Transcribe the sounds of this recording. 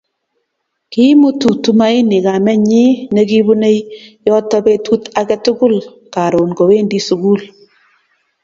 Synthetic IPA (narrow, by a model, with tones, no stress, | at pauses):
ki˦mu˦tu˨tu˦ma˦e˦nɪ˨ka˨mɛ˦ɲɪ˦ne˦ki˦βu˦ne˦jjɔ˦tɔ˦be˦tu˦ta˦kɛ˦tʊ˦kʊ˦l | ka˨ɾo˨nɡo˨we˦ndi˦su˨˦ɡu˦l